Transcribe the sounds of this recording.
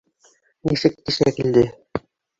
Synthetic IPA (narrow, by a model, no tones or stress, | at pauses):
nisɘk̚t̪iʃækild̪ɘ